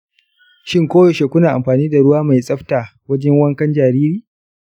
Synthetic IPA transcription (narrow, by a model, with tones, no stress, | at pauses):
ʃɪ˦ŋkʷoː˦jo˨ʃe˨kʷʊ˦naː˨ʔa̰˨mɸaː˨niː˦da˨ɽʊ˦waː˦ma˨jsʼɐ˦ɸtaː˨wɐ˦d͡ʒɛ˦ŋwɐ˦ŋkɐ˦nd͡ʒaː˨ɾiː˦ɾiː˨